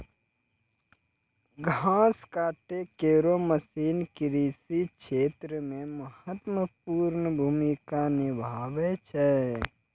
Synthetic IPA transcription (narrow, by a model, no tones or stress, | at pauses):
ɡʱãːskaːʈekeːɾoməsiːnkɪɾiːsikʃeːt̪ɾəmẽməhət̪wəpuːɾnəbʱuːmikanɪbʱaːʋet͡ʃʰɛ